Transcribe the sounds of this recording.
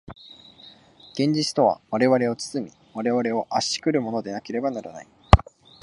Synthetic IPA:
ɡ̥ẽ̞ɲ̟d͡ʑit͡sɨ̥t̪o̞βa̰βaɾe̞βaɾe̞o̞t͡sɨ̥t͡sɨmʲi | βaɾe̞βaɾe̞o̞ʔaɕi̥kɯ̟ɾɯ̟mo̞no̞d̪e̞nake̞ɾe̞banaɾa̰na̰i

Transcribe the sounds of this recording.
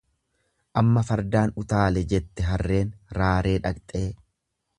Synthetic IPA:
ʔɐmːɐfɐɾd̪aːnʊt̪aːlɛd͡ʒɛt̪ːɛɦɐrːe̞ːnɾaːɾe̞ːᶑɐkt̪ʼe̞ː

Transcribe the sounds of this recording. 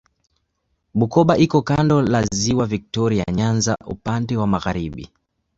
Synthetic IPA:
ɓukɔɓaʔikɔkandɔlaziwavik̚tɔɾia̰ɲanza̰ʔṵpandɛwamaɣaɾiɓḭ

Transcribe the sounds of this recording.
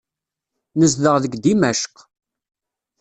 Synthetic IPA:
nəzðəʁðəɡd̪imæʃq

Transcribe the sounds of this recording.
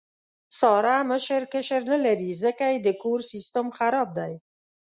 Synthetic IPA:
sɑɾaməʃəɾkəʃəɾnalaɾizəkajed̪əkoɾsist̪əmxaɾɑb̚d̪aj

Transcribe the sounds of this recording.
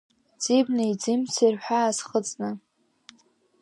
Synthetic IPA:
d͡zibnɨid͡zimt͡sʰirħʷᶣaːzχət͡sʼnɨ

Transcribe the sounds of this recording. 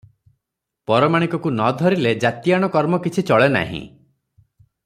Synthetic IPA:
pɔɾɔmaɽ̃ikɔkunɔd̪ʱɔɾiled͡ʒat̪jaɽ̃ɔkɔɾmɔkit͡ʃʰit͡ʃɔɭena̰ɦḭ̃

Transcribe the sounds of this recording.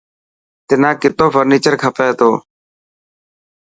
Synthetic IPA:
t̪ɪnãːkɪt̪oːfʰəɾniːt͡ʃəɾkʰəpeːɦt̪oː

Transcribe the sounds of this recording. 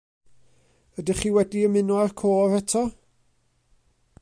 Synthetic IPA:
ədɪχiːwɛdiəmɪnɔarkʰoːɾɛtʰɔ

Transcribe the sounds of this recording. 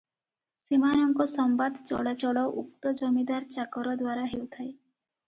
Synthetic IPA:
simanɔŋkɔsɔmbad̪t͡ʃɔ̰ɭat͡ɕɔɭɔʔuk̚t̪ɔd͡ʒɔmid̪aɾt͡ʃakɔɾɔd̪waɾaɦewt̪ʰae

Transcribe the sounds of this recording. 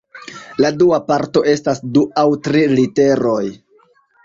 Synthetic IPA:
laduapaɾto̞ʔe̞stasduawtɾilite̞ɾo̞j

